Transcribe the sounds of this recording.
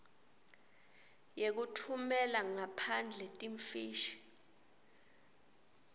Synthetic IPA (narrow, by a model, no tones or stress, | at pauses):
jek̬utʰumɛlaŋapʰand͡ɮʱɛtʼiɱfiːʃi̥